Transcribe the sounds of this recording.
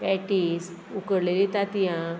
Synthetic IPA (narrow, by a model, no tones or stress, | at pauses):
bɛʈis | ukəɾlelit̪at̪ijã